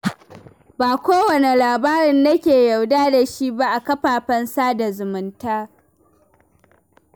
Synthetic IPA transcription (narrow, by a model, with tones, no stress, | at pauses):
baː˨kʷoː˦wɐ˨ne˨laː˨baː˦ɾɪ˨nːɐ˦kʲeː˨ja˨wdaː˦da˨ʃi˦ba˦ʔa˨kɐ˦ɸaː˨ɸɐ˦nsaː˦da˨zʊ˨mʊ˨˦ntaː˦